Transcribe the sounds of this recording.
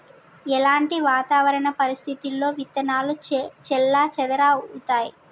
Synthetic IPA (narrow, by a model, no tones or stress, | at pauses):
ɛlaːɳʈiʋaːt̪aːʋɐɾɐɳɐpɐɾist̪ʰit̪ilːo̞ːʋit̪ːɐnaːlut͡ʃɛlːaːt͡ʃɛd̪ɐɾaːut̪aːji